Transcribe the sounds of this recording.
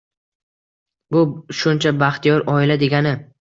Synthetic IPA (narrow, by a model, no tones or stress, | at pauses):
bʊʃʊnt͡ʃʰabaχt̪ijɒɾʔɒɪlad̪e̞ɡʲanɪ